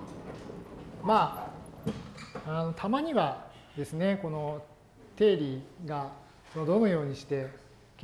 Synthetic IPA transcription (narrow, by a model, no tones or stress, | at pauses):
maː | ano̞t̪ʰamaɲ̟iβad̪e̞sɨne̞ko̞no̞ | t̪e̞ːɾʲiɡa | konod̪o̞nɯjo̞ːɲ̟iɕi̥t̪e̞ | k